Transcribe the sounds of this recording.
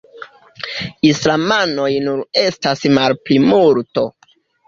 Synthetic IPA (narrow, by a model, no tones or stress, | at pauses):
islamano̞jnuɾe̞stasmalplimulto̞